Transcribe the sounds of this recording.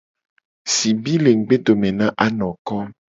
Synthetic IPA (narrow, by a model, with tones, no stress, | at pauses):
si˨bi˦le˨ŋ̩˨ɡ͡be˦d̪o˨mẽ˨nã˦ʔa˦nɔ̃˨kɔ˦